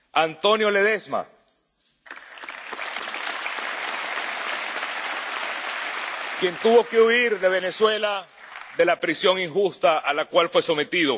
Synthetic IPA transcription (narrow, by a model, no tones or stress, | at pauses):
ant̪o̞njo̞le̞ðe̞sma̰ | kje̞nt̪uβo̞keuiɾðe̞β̞e̞ne̞swe̞la | ðe̞lapɾisjo̞ŋiŋxust̪aʔalakwalfwe̞so̞me̞t̪iðo̞